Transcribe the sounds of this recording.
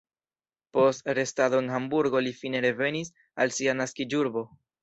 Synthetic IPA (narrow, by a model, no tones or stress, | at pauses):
po̞stɾe̞stad̪o̞enɦambuɾɡo̞lifine̞ɾe̞ve̞nis | a̰lsianaskid͡ʒuɾbo̞